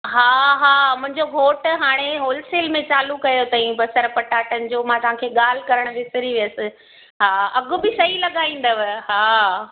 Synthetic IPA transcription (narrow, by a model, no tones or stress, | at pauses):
ɦaːɦaːmʊ̃ɦɪ̃ɲd͡ʑoɦoːʈɦaːɽ̃eɦoːlseːlmẽt͡ɕaːlukɐjot̪ɐĩbɐsəɾpɐʈaːʈənɪ̆d͡ʑoːmãt̪ɐʋ̤ɦãkʰeːɠaːl̤ɪkɐɾəɽ̃ʋɪsɪɾiʋijəsɪ̆ | ɦaːɐɠʊ̆bɪsɐɦilɐɠaːĩːn̆d̪əʋɪ̆ɦaː